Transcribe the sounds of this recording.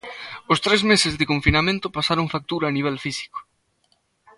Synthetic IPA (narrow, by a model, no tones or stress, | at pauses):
ʊst̪ɾezmesɪzðɪkõɱfinamẽnt̪ʊpasaɾoŋfak̚t̪uɾaːniβ̞ɛlfisi̥ko̥